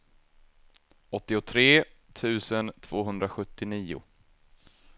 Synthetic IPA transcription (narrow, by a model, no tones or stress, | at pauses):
ɔt̪ːɪʊt̪ʰɾeːt̪ʰʉ̟ːsənt̪ʰv̥oːɦɵnd̪ɾaɧɵt̪ːɪniːʊ̰